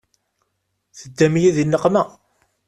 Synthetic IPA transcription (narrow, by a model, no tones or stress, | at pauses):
θəd̪ːæmjæðinːəqːmæ